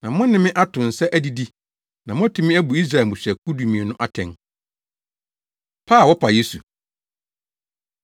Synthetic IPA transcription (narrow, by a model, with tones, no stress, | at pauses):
nã˨mʊ̃˦nɪ̃˨mɪ̃˦ʔa˦tʰʊ̃˨n̩˨sɛ˦ʔæ˦di˨di˦ | nã˨mʊ̃˦æ˦tʰʊ̃˦mɪ̃˦æ˦bu˨i˦s̬ɾa˨ɛ˨mʊ̃˨ɕᶣɛ˨ku˦du˨mĩ˨e˨nʊ̃˦ʔa˦tʰɛ̰̃˨n | pʰaː˦˨wɔ˦pʰa˨je˦su˨